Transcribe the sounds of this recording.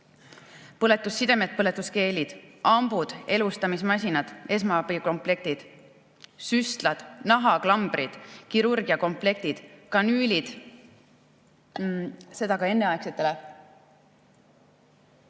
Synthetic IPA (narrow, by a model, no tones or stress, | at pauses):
pɤle̞t̪ːˑusːid̪̥e̞me̞t̪̚pɤle̞t̪ːˑuske̞ːlid̪̥ʔɑmb̥ud̪̥e̞lust̪ɑmismɑsʲinɑd̪̥e̞s̬mɑpiko̞mple̞k̚t̪id̪̥ | syst̪lɑd̪̥nɑɦɑklɑmb̥ɾid̪̥kiɾurɡ̥iɑko̞mple̞k̚t̪id̪̥kɑnyːlʲid̪̥ | se̞d̪̥ɑɡɑe̞nːe̞ɑekset̪ːˑele